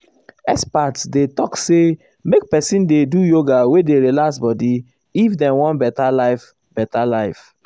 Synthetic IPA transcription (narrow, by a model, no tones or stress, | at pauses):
ɛ̰spatsdetɔkse | mek̚pɛsĩndedujoɡawedeɹilaksbɔdi | ifdɛ̃wɔ̃nbɛtalaɪf | b̥ɛtalaɪf